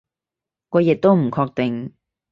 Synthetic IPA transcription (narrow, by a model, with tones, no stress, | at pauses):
kɔː˨˧jɛ˨˩t̚t̪o˥wm̩˨˩kʰɔː˧k̚t̪ɪ˨ŋ